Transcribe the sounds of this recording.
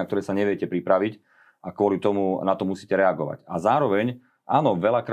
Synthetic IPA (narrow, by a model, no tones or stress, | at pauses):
akt̪ɔɾɛːsaɲɛʋɪjɛcɛpɾipɾaʋic | akʊɔlit̪ɔmunat̪ɔmusiːcɛɾɛaɡɔʋa̰cazaːɾɔʋɛɲ | ʔaːnɔʋɛlakɾ